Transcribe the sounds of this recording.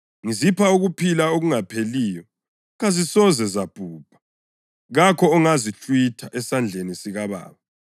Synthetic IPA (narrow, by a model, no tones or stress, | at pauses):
ŋizipʰauɣupʰilaoɣuŋapʰeliːjɔ | ɣazisɔzɛzab̥ʱuːb̥ʱḁ | ɣakʰɔːŋazit͡ɬʼwitʰaʔɛsand͡ɮʱenisiɣaβa̰ːβa